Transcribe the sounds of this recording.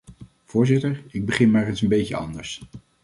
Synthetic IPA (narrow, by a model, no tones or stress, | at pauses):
v̥ʊːɹzɪtəɹɪɡ̚bəχɪnmaːɹənsəmbejkəɑ̰ndəɹs